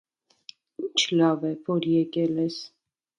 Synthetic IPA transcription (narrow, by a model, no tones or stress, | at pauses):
int͡ʃʰlɑvɛvɔɾjɛkʼɛlɛs